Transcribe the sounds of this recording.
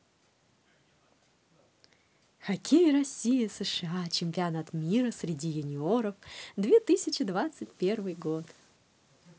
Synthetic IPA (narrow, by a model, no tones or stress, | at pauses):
xɐkʲejiɾɐsʲijəsəʂɨat͡ɕɪmʲpʲɪɐnat̪mʲiɾəsɾʲɪdʲijʊnʲɪoɾəfd̪vʲet̪ɨsʲɪt͡ɕɪd̪vat̪sɨtʲpʲe̞rvɨjɡot̪